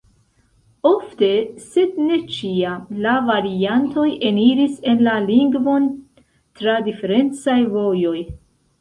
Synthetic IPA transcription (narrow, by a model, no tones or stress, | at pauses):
o̞fte̞se̞d̚ne̞t͡ʃiamlavaɾianto̞je̞niɾise̞nlaliŋɡvo̞n | tɾadife̞ɾe̞nt͡sajvo̞jo̞j